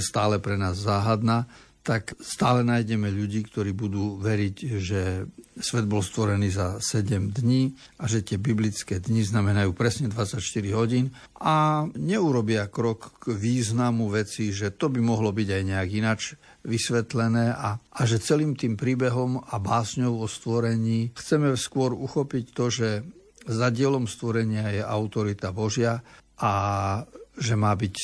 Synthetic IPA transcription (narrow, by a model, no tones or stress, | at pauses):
st̪aːlɛpɾɛnaːzːaːɦad̪naːt̪akst̪aːlɛnajɟɛmɛʎuɟiːkt̪ɔɾiːbud̪uːʋɛɾiɟʒɛsʋɛd̪̚bɔlst̪ʋɔɾɛniːzasɛɟɛmd̪ɲiː | aʒɛt̪ɪɛbiblit͡skɛːd̪ɲiznamɛnajuːpɾɛsɲɛd̪ʋat͡sːacʃt̪iɾiɦɔɟiːn | ʔaɲɛuɾɔbɪakɾɔkːʋiːznamuʋɛt͡siʒɛt̪ɔbimɔɦlɔbiɟajɲɛaɡinat͡ʃʋisʋɛt̪lɛnɛːʔaʔːʒɛt͡sɛliːmt̪iːmpɾiːbɛɦɔmabaːsɲɔʊʋɔst̪ʋɔɾɛɲiːxt͡sɛmɛskʊɔɾuxɔpict̪ɔʒɛ | zaɟɪɛlɔmst̪ʋɔɾɛɲɪajɛʔaʊt̪ɔɾit̪abɔʒɪaʔa | ʒɛmaːbic